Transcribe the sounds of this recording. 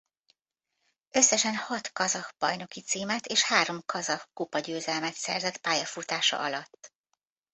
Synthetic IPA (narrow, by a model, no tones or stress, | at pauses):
ø̞sːɛʃɛnhɒt̪kɒzɒkb̥ɒjno̞kit̪siːmɛt̪eːʃhaːɾo̞mkʰɒzɒkkupɒɟøːzɛlmɛt̪sɛ̰rzɛt̪paːjɒfut̪aːʃɒ̰ʔɒlɒt̪ː